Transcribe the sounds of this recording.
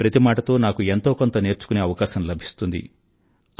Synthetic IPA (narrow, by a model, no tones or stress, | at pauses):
pɾɐt̪imaːʈɐt̪o̞ːnaːkuent̪o̞ːkont̪ɐne̞ːɾt͡ʃu̥kune̞ːɐʋɐkaːʃɐmlɐbʱist̪und̪ḭ